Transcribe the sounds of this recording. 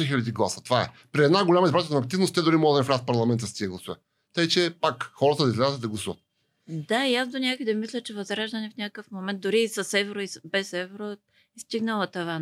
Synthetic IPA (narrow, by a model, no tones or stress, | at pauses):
ɛxilʲɛd̪iɡlˠasə̥t̪ovaɛ̰pɾiɛd̪naɡoʊlʲaməizbɾat̪ʲnɐːk̚t̪ivnost̪ɛd̪ʊɾimɔɡəd̪ɐnʲfɾʲat̪̚pɐɾlˠɐmɛnt̪əst̪iɛɡlˠɐsuvə | t̪ajt͡ʃɛpakxɔɾət̪əd̪ɐizlʲazət̪əd̪ɐɡlˠɐsuvət̪̚ | d̪aijasd̪onʲakoid̪ɐmislʲət͡ʃɛvɐzɾaʒd̪ənɛfnʲakəkəfmomɛnt̪̚d̪ʊɾiːsɐsɛvɛɾoisbɛsɛvɛɾo | ist̪iɡnəlˠət̪ova